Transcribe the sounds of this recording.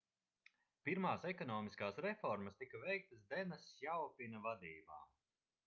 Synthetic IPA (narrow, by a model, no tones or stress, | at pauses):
piɾmaːsɛkɔnɔːmiskaːsɾɛfɔɾmɐst̪ikɐvɛjk̚t̪əsd̪ɛnɐsjawpʲinɐvad̪iːba̰ː